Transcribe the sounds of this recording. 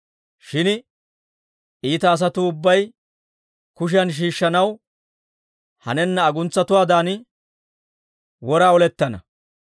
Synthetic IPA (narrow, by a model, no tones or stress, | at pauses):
ʃɪn | ʔiːt̪ɐːs̬ɐt̪ʊːʊbːɐj | kʊʃ̬ɪɐnʃ̬iːʃːɐnɐw | hɐ̰nɛnːɐːɡʊnt͡sːɐt̪ʊwaːd̪aːn | wɔɾaːɔlɛt̪ːɐnɐ̰